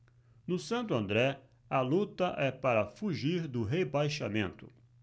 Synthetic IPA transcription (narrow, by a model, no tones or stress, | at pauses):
nʊsɐ̃nt̪ʊɐ̃nd̪ɾɛ | ɐlut̪ɐʔɛpaɾɐfuʒiɾd̪ʊɦebajʃamẽnt̪ʊ̰